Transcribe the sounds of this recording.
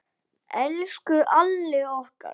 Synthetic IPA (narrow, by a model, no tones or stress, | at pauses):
ɛlskʏʔalːɪɔhka̰ɾ